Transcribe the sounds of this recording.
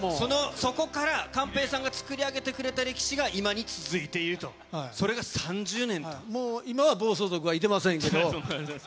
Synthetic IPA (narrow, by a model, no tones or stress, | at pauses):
moso̞no̞so̞ko̞kaɾakãmpe̞ːsãŋɡat͡sɨ̥kɯ̟ɾʲiaɡe̞t̪e̞kɯ̟ɾe̞t̪aɾe̞kʲi̥ɕiɡaʔimaɲ̟it͡sɨzɨit̪e̞iɾɯ̟t̪o̞̰ | so̞ɾe̞ɡasãɲ̟d͡ʑɨːnẽ̞nt̪omoːimaβabo̞ːs̬o̞ːzo̞k̬ɯβait̪̬e̞masẽŋkke̞d̪o̞